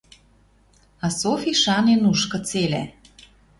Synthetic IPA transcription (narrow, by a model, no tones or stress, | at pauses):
ɑsofiʃɑnenuʃkɤ̆t͡selæ̰